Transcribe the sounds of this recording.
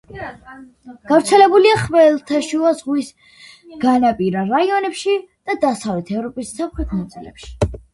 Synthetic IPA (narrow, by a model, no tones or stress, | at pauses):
ɡ̥avɾt̪sʰɛlɛbuliaχvɛlˠt̪ʰaʃuazʁwis | ɡ̥anapʼiɾaɾaiɔnɛpʃid̪̥ad̪asavlɛt̪ʰɛvɾɔpʼisːapχɾɛt̪ʰnat̪sʼilɛ̰pʃi̥